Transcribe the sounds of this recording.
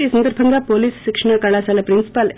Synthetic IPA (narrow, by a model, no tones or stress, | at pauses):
isɐnd̪ɐɾbʱɐŋɡapoːliːsʃɪkʂɐɳakaːlaːsaːlɐpɾɪnsi̥pal